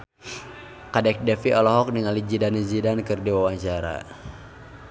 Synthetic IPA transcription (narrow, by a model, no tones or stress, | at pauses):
kadɛk̚dɛfiʔɔlɔɦɔk̚niŋalid͡ʒidanid͡ʒidankɨrdiwawaɲt͡ʃaɾa̰